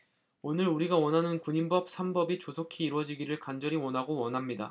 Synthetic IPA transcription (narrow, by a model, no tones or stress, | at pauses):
onɯɾuɾiɡawʌnɦanɯnkuɲimbʌp̚sʰambʌbit͡ɕosʰokʰiːɾwʌd͡ʑiɡiɾɯɭkand͡ʑʌɾiwʌnɦaɡowʌnɦamɲida̰